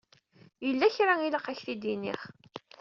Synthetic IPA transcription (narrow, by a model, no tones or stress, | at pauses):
jəlːæçɾailəqæçθid̪inḭχ